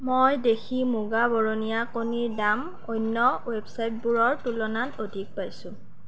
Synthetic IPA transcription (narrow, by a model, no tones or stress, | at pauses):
mojdexʰimuɡabɔɹonijakoniɹdam | ojnːɔwebsajt̚buɹɔɹtulɔnatodʱik̚pajsʊ̃